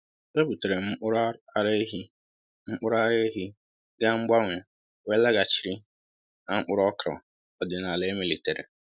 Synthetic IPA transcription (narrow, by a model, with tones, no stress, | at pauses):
e˦bu˨te˨ɾe˨m̩˦ɾɾe˦i˦ | ŋ͡m̩˦k͡pʊ˦ɾa˦ɾe˦ɦi˦ | ɡa˦ŋ͡m̩˦ɡ͡ba˦ŋʷɪ˨ | we˦la˦ɡa˨t͡ʃi˨ɾi˦ | na˦ŋ͡m̩˦k͡pʊ˦ɾɔ˦kɾɔ̰˨ | ɔ˨dɪ˨na˨le˦mi˦li˨te˨ɾḭ˨